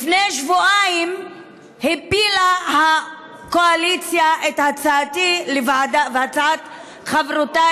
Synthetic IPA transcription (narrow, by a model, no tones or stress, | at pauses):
lfnejʃvuʔaim | hepilaha | koalit͡sjaʔethat͡saatilevaʕadavat͡saat̪ | χavʁota